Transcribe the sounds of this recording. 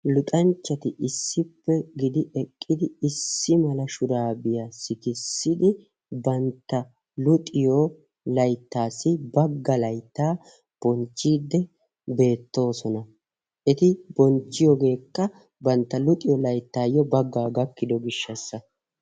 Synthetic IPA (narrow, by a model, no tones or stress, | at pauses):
lʊt̪ʼɐnt͡ʃːɐt̪ɪʔɪsːɪpːɛɡɪd̪ɪʔɛkʼːɪd̪ɪɪsːɪmɐlɐʃʊɾaːbɪjasɪkɪsːɪd̪ɪ | bɐnt̪ːɐ | lʊt̪ʼɪjɔ | lɐjt̪ːaːsːɪbɐɡːɐlɐjt̪ːaː | b̥ɔnt͡ʃːiːd̪ːɛ | be̞ːt̪ːo̞ːsɔnɐ | ʔɛt̪ɪbɔnt͡ʃːɪjɔɡe̞ːkːɐ | bɐnt̪ːɐlʊt̪ʼɪjɔlɐjt̪ːaːjɔbɐɡːaːɡɐkːɪd̪ɔɡɪʃːɐsːɐ